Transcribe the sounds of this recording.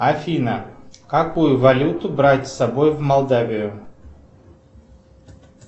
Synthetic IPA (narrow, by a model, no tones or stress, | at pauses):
ɐfʲinəkɐkujʊvɐlʲut̪ʊbɾatʲsɐbojvmɐlˠd̪avʲɪjʊ